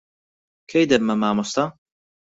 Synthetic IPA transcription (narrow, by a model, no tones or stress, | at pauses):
kʰejd̪ɐmɐmaːmost̪a